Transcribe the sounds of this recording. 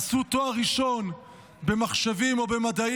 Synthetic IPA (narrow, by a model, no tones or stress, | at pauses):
sut̪oaʁiʃo̞n | be̞maχʃavimo̞be̞mad̪a